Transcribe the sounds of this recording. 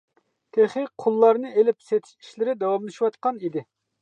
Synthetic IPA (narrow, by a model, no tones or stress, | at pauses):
t̪ʰeχiqʰʊlˠːɑɾnɨʔelɪpset̪ʰɪ̥ʃi̥ʃlɪɾɪd̪ɑwɑmlˠɨʃiwɑt̪qɑnid̪ɪ